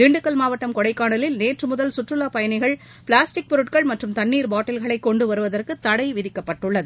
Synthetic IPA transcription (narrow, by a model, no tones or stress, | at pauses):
d̪iːɳɖɯkːɐlmaːʋɐʈːɐmkɔɽɐɪkːaːɳɐlɪlneːʈrɯmʊðɐlsʊʈrɯlaːpɐjɐnɐɪɣɐɭ | pɪɭaːsʈɪk̚pɔɾɯʈkɐɭmɐʈrɯmt̪ɐnːiːɾbaːʈːɐlɣɐɭɐɪkːɔɳɖɯʋɐɾɯʋɐðɐrkɯt̪ːɐɽɐɪʋɪðɪkːɐpːɐʈːɯɭːɐðɯ